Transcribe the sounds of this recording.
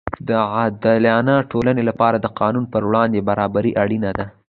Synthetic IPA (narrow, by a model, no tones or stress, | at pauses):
d̪əad̪aljɑnɑʈolanelapɑɾad̪əqɑnunpəɾwɽɑnd̪ebaɾɑbaɾiʔaɽinad̪a